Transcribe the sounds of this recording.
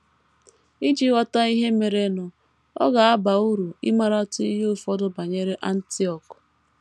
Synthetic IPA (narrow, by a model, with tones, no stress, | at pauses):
i˦d͡ʒi˦wa˦ta˦i˦ɦe˦me˨ɾe˨nʊ˨ | ɔ̰˦ɡa˨a˦ba˨u˦ɾu˨ḭ˦ma˦ɾa˦tʊ˦i˦ɦo˦fɔ˦dʊ˨ba˨ɲe˦ɾe˦ʔa˦n̩˦ti˦ɔ˨k